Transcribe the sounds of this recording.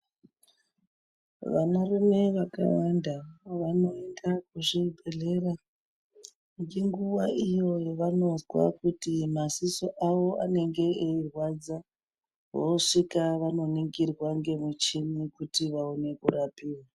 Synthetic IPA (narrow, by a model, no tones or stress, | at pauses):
ʋanaremeʋaka̰wandaʋano̞e̞ndak̚uʐibʱe̞ɮe̞ra | ŋɡeŋɡuʋaijo̞jeʋano̞zwa̰kutimasiso̞ʔawo̞ʔa̰ne̞ŋɡe̞eirwad͡za | ʋoʂikaʋano̞niŋɡirwaŋɡe̞mut͡ʃinikutiʋaone̞kurapiːwa